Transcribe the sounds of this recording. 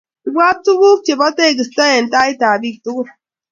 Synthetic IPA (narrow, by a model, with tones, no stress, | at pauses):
i˨ɡ͡bʷa˦tu˦ku˦t͡ʃe˨bɔ˦te˦˨ɡi˨sta˦je˨n̩˨ta˦i˦ta˨bi˦k̚tu˦ɡu˦